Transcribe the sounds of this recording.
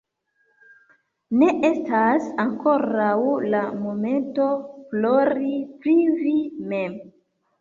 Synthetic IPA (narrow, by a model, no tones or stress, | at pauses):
ne̞ʔe̞stasaŋko̞ɾawlamo̞me̞nto̞flo̞ɾipɾivime̞m